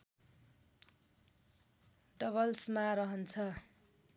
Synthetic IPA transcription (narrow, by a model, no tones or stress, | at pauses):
ɖʌβʌlsmaɾʌɦʌnt͡sʰʌ